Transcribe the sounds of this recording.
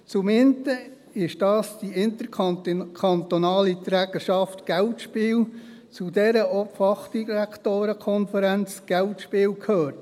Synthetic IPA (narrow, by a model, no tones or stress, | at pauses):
t͡sʊmɪnt̪ə | ɪʃd̥ɑːsd̥iɪnt̪əɾkkʰɑnt̪onɑːlit̪ɾæːɡ̥əʃɑftɡ̥æʊtʃpɪːl | t͡sudɛɾəʔɔpfɑχd̥iɾæktoːɾəkʰɔnfəɾænt͡sɡ̥æltʃpɪːlkʰhøːɾt